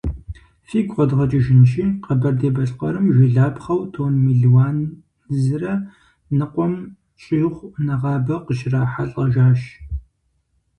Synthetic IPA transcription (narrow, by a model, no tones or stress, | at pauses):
fiːɡʷʼʁʷɔdʁɐt͡ʃʼɪʒɪnʃiːqɐbɐrdeːbɐɬʼqɐɾɨmʒʷɪɮaːpχɐwtʰoːnmiɮwaːn | zɨrɐ | nɨqʷʼɔm | ɕʼiːʁʷnɐʁɑːbɐqəʃɪraːħaɬʼɐʒaːʃ